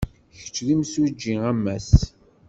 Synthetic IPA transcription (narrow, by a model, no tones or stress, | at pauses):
çə̥t͡ʃːðimsud͡ʒːiæmːæs